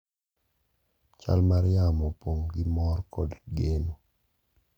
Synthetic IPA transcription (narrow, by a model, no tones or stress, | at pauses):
t͡ʃa̰lmaɾjamɔpoŋɡɪmɔrkɔdɡeno